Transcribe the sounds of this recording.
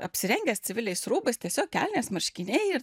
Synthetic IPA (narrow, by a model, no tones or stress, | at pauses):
ɐ̰pʲsʲɪɾʲɛŋʲɡʲɛstt͡s̪ʲɪʋʲɪlʲɛɪsɾuːbɐst̪ʲiɛsʲoːk̚kʲæːlʲnʲeːsmɐɾʲʃʲkʲɪnʲɛɪɪ